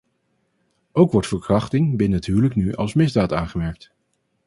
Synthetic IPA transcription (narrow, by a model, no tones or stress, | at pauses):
owkʋɔɹtfəɹkrɑχtɪŋbɪnəətɦyːwləknyʔɑ̰lˠsmɪzdaːtaːnχəmɛɹk̚t